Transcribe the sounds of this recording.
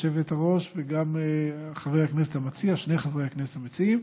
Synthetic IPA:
ʃevetaʁo̞ʃveɡameχavejhaknes̬etamat͡siaʃne̞jχavʁejhakneset̪amet͡siim

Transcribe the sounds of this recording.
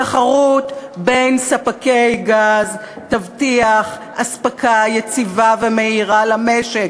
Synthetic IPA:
aχaʁutbe̞jnsapake̞jɡaz | tavtiaχ | aspakʰajet͡sivaveme̞iʁalame̞ʃek

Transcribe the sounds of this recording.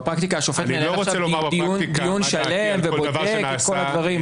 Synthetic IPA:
pʁakt̪ikaːʃo̞fetmend̪ind̪ijunʃalemvebbodekkeko̞ladvaʁim

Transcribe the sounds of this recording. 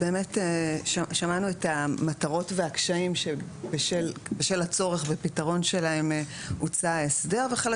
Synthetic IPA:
be̞ːmeteʃaʃamanuetamataʁo̞tve̞akʃaimʃebeʃelbeʃelat͡so̞ʁeχbepitaʁo̞nʃe̞laemut͡saesde̞ʁveχel

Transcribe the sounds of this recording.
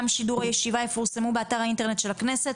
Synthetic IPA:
mʃiduʁajeʃivaje̞fuʁsemubeataʁainte̞ʁne̞t̪ʃe̞lakne̞set

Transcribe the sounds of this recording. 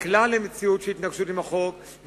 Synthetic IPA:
klalemet͡siutʃeit̪naɡʃutimaχo̞k | v

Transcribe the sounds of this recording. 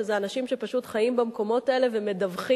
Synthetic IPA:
ezeanaʃimʃe̞paʃutχajimbamko̞mo̞taele̞vemedavχi

